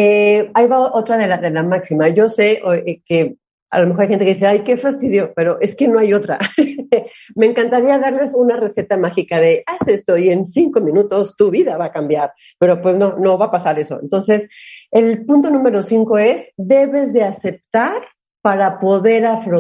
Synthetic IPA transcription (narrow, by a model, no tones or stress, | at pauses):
eajβaoʔo̞t̪ɾaðelaðe̞lamaksimaʝo̞se̞ʔoke | a̰lomexoɾajxenkeis̬eajke̞fast̪iðjo̞pe̞ɾo̞ʔe̞ske̞no̞ajo̞t̪ɾa̰ | me̞ːŋkant̪aɾiaðaɾle̞sunare̞se̞t̪amaxikaðe̞ʔasest̪o̞ie̞nsiŋko̞mĩnut̪o̞st̪uβiðaβakambjaɾ | pe̞ɾo̞pwe̞sno̞no̞βapasaɾe̞so̞ḛnt̪o̞nse̞se̞lpunt̪o̞nũme̞ɾo̞siŋko̞e̞zðe̞βe̞zðe̞ase̞p̚t̪aɾ | paɾapo̞ðe̞ɾafɾo